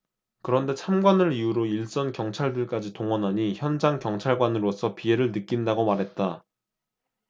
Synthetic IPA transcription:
kɯɾʌnde̞t͡ɕʰamɡwanɯɾijuɾoiɭs͈ʌnkjʌŋt͡ɕʰaɭdɯɭk͈ad͡ʑitoŋwʌnɦaɲiçjʌnd͡ʑaŋkjʌŋt͡ɕʰaɭɡwanɯɾosʰʌpie̞ɾɯɭnɯk͈indaɡomaɾɦe̞t̚t͈a

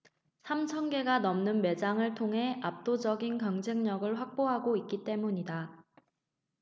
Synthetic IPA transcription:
sʰamt͡ɕʰʌnɡe̞ɡanʌmnɯnme̞d͡ʑaŋɯɭtʰoŋɦe̞ap̚t͈od͡ʑʌɡinkjʌŋd͡ʑe̞ŋɲʌɡɯɭɸwak̚p͈oɦaɡoik͈it͈e̞muɲida

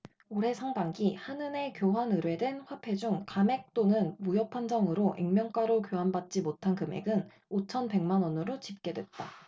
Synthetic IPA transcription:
oɾe̞sʰaŋbaŋɡihanɯne̞kjoɦanɯɾwe̞dwenɸwapʰe̞d͡ʑuŋkame̞k̚t͈onɯnmujʌpʰand͡ʑʌŋɯɾoʔiŋmjʌŋk͈aɾokjoɦanbat̚t͡ɕ͈imotʰankɯme̞̰ɡɯn | ot͡ɕʰʌnpe̞ŋmanwʌnɯɾot͡ɕip̚k͈e̞dwe̞t̚t͈a

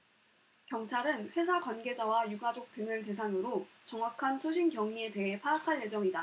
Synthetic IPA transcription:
kjʌŋt͡ɕʰaɾɯnɸwe̞s̬ʰakwanɡe̞d͡ʑawajuɡad͡ʑok̚t͈ɯŋɯɭte̞s̬ʰaŋɯɾot͡ɕʌŋɦwakʰantʰoɕʰinkjʌŋie̞te̞ɦe̞pʰaːkʰaɭje̞d͡ʑʌŋida

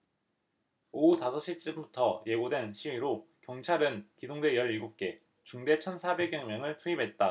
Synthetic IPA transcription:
outasʰʌɕ͈it͡ɕ͈ɯmbutʰʌje̞ɡodwe̞nɕʰiɥiɾokjʌŋt͡ɕʰaɾɯnkidoŋdwe̞jʌɾiɭɡuk͈e̞ | t͡ɕuŋde̞t͡ɕʰʌnsʰabe̞ɡjʌŋmjʌŋɯɭtʰuibʱɦe̞t̚t͈a

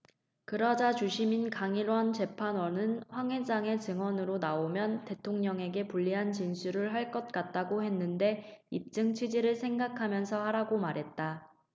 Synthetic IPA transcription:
kɯɾʌd͡ʑat͡ɕuɕʰiminkaŋiɾwʌnt͡ɕe̞pʰanwʌnɯnɸwaŋɦe̞d͡ʑaŋe̞t͡ɕɯŋwʌnɯɾonaomjʌnte̞tʰoŋɲʌŋe̞ɡe̞puʎːiɦant͡ɕinsʰuɾɯɭɦaɭk͈ʌt̚k͈at̚t͈aɡohe̞nːɯnde̞ip̚t͡ɕ͈ɯŋt͡ɕʰwid͡ʑiɾɯɭsʰe̞ŋɡakʰamjʌnsʰʌhaɾaɡomaɾɦe̞t̚t͈a

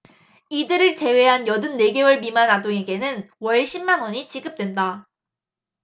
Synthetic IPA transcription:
idɯɾɯɭt͡ɕe̞we̞ɦanjʌdɯnːe̞ɡe̞wʌɭmimanadoŋe̞ɡe̞nɯnwʌɭɕʰimːanwʌɲit͡ɕiɡɯp̚t͈we̞nda

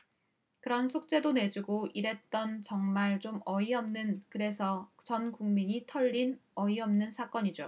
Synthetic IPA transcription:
kɯɾʌnsʰuk̚t͡ɕ͈e̞done̞d͡ʑuɡoʔiɾe̞t̚t͈ʌnt͡ɕʌŋmaɭt͡ɕomʌiʌmnɯnkɯɾe̞sʰʌt͡ɕʌnkuŋmiɲitʰʌʎːinʌiʌmnɯnsʰak͈ʌɲid͡ʑo

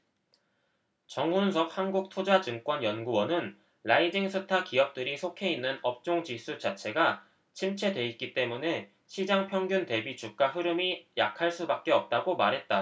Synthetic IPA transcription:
t͡ɕʌŋɦunsʰʌp̚hanɡuk̚tʰod͡ʑad͡ʑɯŋk͈wʌnjʌnɡuwʌnɯn | laid͡ʑiŋsʰɯtʰakijʌp̚t͈ɯɾisʰokʰe̞inːɯnʌp̚t͡ɕ͈oŋd͡ʑisʰut͡ɕat͡ɕʰe̞ɡa | t͡ɕʰimt͡ɕʰe̞dwe̞it̚k͈it͈e̞mune̞ | ɕʰid͡ʑaŋpʰjʌŋɡjunte̞bit͡ɕuk̚k͈aɸɯɾɯmijakʰaɭs͈ubak̚k͈e̞ʌp̚t͈aɡomaɾɦe̞t̚t͈a

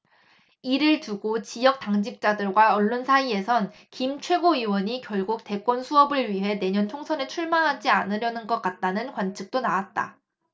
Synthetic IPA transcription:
iɾɯɭtuɡot͡ɕijʌk̚t͈aŋd͡ʑik̚t͡ɕ͈adɯɭɡwaʌɭːonsʰaie̞sʰʌn | kimt͡ɕʰwe̞ɡoiwʌɲikjʌɭɡuk̚te̞k͈wʌnsʰuʌbɯɭɥiɦe̞ne̞ɲʌntʰoŋsʰʌnet͡ɕʰuɭmaɦad͡ʑianɯɾjʌnɯnɡʌk͈at̚t͈anɯnkwant͡ɕʰɯk̚t͈onawat̚t͈a̰

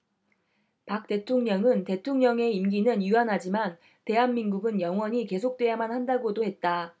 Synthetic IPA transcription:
pak̚t͈e̞tʰoŋɲʌŋɯnte̞tʰoŋɲʌŋe̞imɡinɯnjuanɦad͡ʑiman | te̞ɦanminɡuɡɯnjʌŋwʌɲike̞s̬ʰok̚t͈we̞jamanhandaɡodohe̞t̚t͈a

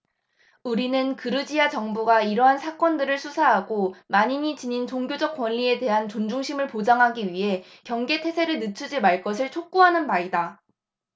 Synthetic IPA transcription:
uɾinɯnkɯɾɯd͡ʑiat͡ɕʌŋbuɡaiɾʌɦansʰak͈wʌndɯɾɯɭsʰusʰaɦaɡomaɲiɲit͡ɕiɲint͡ɕoŋɡjod͡ʑʌk̚k͈wʌnʎie̞te̞ɦant͡ɕond͡ʑuŋɕʰimɯɭpod͡ʑaŋɦaɡiɥiɦe̞ | kjʌŋɡe̞tʰe̞sʰe̞ɾɯɭnɯt͡ɕʰud͡ʑimaɭk͈ʌs̬ʰɯɭt͡ɕʰok̚k͈uɦanɯnmaɾida

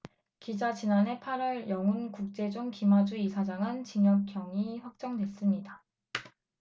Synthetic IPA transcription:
kid͡ʑat͡ɕinane̞pʰaɾʌɭjʌŋunkuk̚t͡ɕ͈e̞d͡ʑoŋkimad͡ʑuisʰad͡ʑaŋɯnt͡ɕiɲjʌk̚k͈jʌŋiɸwak̚t͡ɕ͈ʌŋdwe̞s͈ɯmɲida

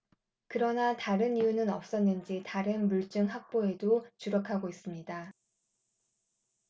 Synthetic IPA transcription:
kɯɾʌnataɾɯnijunɯnʌp̚s͈ʌnːɯnd͡ʑitaɾɯnmuɭt͡ɕ͈ɯŋɦak̚p͈oe̞dot͡ɕuɾʌkʰaɡois͈ɯmɲida

